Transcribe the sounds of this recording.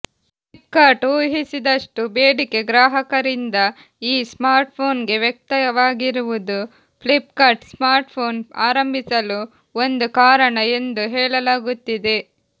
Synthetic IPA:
plip̚kaːɾʈuːɦisid̪ɐʂʈubeːɖike̞ɡɾaːɦɐkɐɾind̪ɐ | iːsmaːɾʈ̚pʰo̞ːnɡe̞ʋjek̚t̪ɐjɐʋaːɡiɾuʋud̪u | plip̚kɐɾʈsmaːɾʈpʰo̞ːnaːɾɐmbʱisɐlu | o̞nd̪ukaːɾɐɳɐe̞nd̪uɦɛːɭɐlaːɡut̪ːid̪e̞

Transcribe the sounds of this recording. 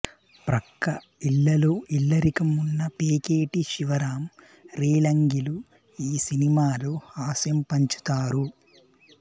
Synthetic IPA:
pɾɐkːɐ | iɭːɐloːʔilːɐɾikɐmunːɐpeːkeːʈiʃiʋɐɾaːm | ɾiːlɐŋɡilu | iːsinimaːlohaːsjɐmpɐɲt͡ʃu̥t̪aːɾu

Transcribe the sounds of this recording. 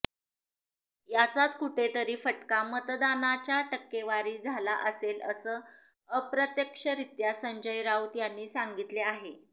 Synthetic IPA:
jat͡sat̪kuʈʰet̪əɾiːfəʈkamət̪d̪anat͡ɕjaʈəkːeʋaɾiːd͡zʱalaʔəselə̰səː | əpɾət̪jəkʂəɾit̪jasəɲd͡ʑəjɾaut̪janːiːsaŋɡit̪leaɦe

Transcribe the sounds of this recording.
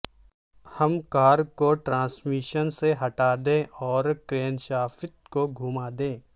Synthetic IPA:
hɐmkaːɾkoʈɾãːsmiʃənseɦɐʈaːd̪ẽʔɔːɾkɾeːnʃaːfɪt̪̚koɡʱuːmaːd̪ẽː

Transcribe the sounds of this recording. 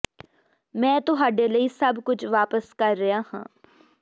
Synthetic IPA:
mɛ̃ːt̪ʊɦaːɖeːləiːsəbkʊt͡ʃʰʋaːpəskəɾːəaːhã̰ː

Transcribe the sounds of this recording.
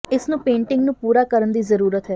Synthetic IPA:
ɪsnũːpẽːɳʈɪŋɡnũːpuːɾaːkəɾənd̪iːzəɾuːɾət̪ɦɛː

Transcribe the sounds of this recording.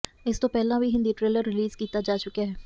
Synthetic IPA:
ɪst̪õːpɛːlãːʋiːɦɪ̃nd̪iːʈɾeːləɾːɪliːzkiːt̪aːd͡ʒaːt͡ʃʊkaːɦɛː

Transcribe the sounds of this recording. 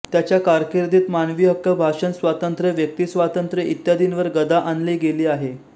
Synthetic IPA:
t̪jat͡ɕjakaɾkiɾd̪ʱiːt̪manʋiːɦəkːəbʱaʂənsʋat̪ənt̪ɾəʋjək̚t̪iːsʋat̪ənt̪ɾəit̪jad̪inʋəɾɡəd̪ʱaʔanliːɡeliːaɦe

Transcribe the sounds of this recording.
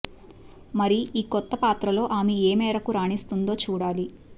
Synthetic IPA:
mɐɾiiːkɔt̪ːɐpaːt̪ɾɐlo̞ːʔaːmeeːmɛːɾɐkuɾaːɳist̪und̪o̞ːt͡ʃuːɽaːli

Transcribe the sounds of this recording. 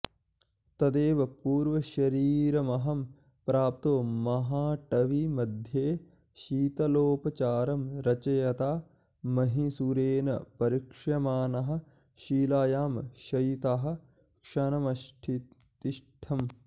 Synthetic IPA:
t̪ɐd̪eːʋɐpuːɾʋɐʃɐɾiːɾɐmɐɦɐm | pɾaːp̚t̪oːmɐɦaːʈɐʋimɐd̪ʱjeː | ʃiːt̪ɐloːpɐt͡ʃaːɾɐmɾɐt͡ʃɐjɐt̪aː | mɐɦisuɾeːnɐ̰pɐɾikʂɐmaːnɐɦɐ̆ | ʃiːlaːjaːmʃɐjit̪aɦɐ̆ | kʂɐnɐmɐʃʈʰi | t̪iʂʈʰɐm

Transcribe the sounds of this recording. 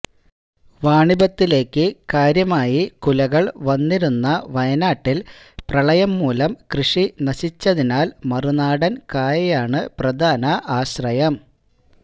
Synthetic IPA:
ʋaːɳibɐt̪ːile̞ːkːɨkaːɾjɐmaːjikulɐɣɐɭʋɐnːiɾunːɐʋɐjɐnaːʈːil | prɐɭɐjɐmːuːlɐmkrɨʂinɐɕit͡ɕːɐðinaːlmɐrunaːɽɐnkaːjɐjaːɳɨprɐd̪ʱaːnɐʔaːɕrɐjɐm

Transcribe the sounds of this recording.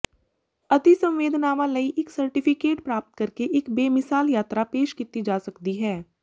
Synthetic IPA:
ɐt̪isɐ̃mʋeːd̪ʱnaːʋãlɐiʔɪksɐɾʈɪpʰɪkeːʈpɾaːp̚t̪̚kɐɾkeʔɪkbeːmɪsaːljaːt̪ɾapeːʃkit̪id͡ʒaːsɐkt̪iɦɛː

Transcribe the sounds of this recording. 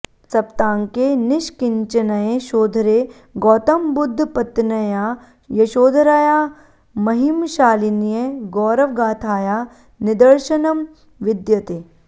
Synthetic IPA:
sɐpt̪aːŋkenɪʃkɪɲt͡ʃɐnɐjeʃoːd̪ʱɾe | ɡɔːt̪ɐmbʊd̪ʱːpɐt̪nɐja | jɐʃoːd̪ʱɾaːjaː | mɐɦimʃaːlinijeɡɔːɾɐʋɡaːt̪ʰaːja | nɪd̪ɐɾʃɐnɐm | ʋɪd̪jɐt̪eː

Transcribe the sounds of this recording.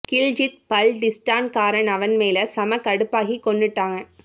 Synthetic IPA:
kɪld͡ʒɪt̪̚pɐlɖɪsʈaːnkaːɾɐnɐʋɐnmeːlɐsɐmɐkɐɽɯpːaːɣikːɔɳɖɯʈːaːŋɐ

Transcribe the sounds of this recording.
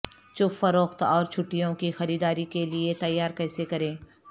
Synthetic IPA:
t͡ʃʊfɐɾoːxt̪ɔːɾt͡ʃʰʊʈːijõkixɐɾiːd̪aːɾikeliet̪ɐjːaːɾkɛːsekɐɾẽː

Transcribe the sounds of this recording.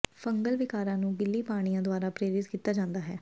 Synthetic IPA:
fʰəŋɡəlʋɪkaːɾãːnũːɡɪlːiːpaːɽ̃ijãːd̪ʊaːɾaːpɾeːɾɪt̪kiːt̪ːaːd͡ʒãːnd̪aːɦɛː

